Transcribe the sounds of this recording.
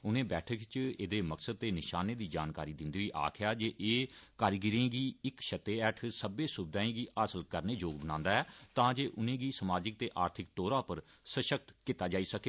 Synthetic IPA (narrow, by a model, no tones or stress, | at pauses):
ʊnẽːbɛːʈʰəkt͡ʃeːd̪eːməksəd̪̚t̪eːnɪʃaːneːd̪iːd͡ʒaːnkaːɾiːd̪ɪ̃nd̪əɡiːʔa̰ːkʰɪjaːd͡ʒeːʔeːkaːɾiɡɪɾẽːɡiːɪkʃət̪ːeːɛːʈʰsəbeːsʊbd̪aːẽːɡiːʔasəlkəɾneːd͡ʒoːɡbənãːnd̪aːɦɛːt̪ãːd͡ʒeːʔʊnẽːɡiːsəmaːd͡ʒɪk̚t̪eːʔaːɾt̪ʰɪk̚ʈoːɾaːpəɾsəʃək̚t̪kɪt̪aːd͡ʒaːiːsəkeː